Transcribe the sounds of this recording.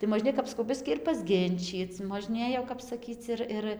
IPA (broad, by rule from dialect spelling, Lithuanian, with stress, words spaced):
tɐɪ moːˈʒʲnʲeːj kɐp sɐˈkɐʊ ˈbʲɪsʲkʲiː ɪr pɐzʲˈɡʲɪnʲt͡ʃʲiːt͡s moːʒʲˈnʲeːj jɛʊ kɐp sɐˈkʲiːt͡s ɪr ˈɪr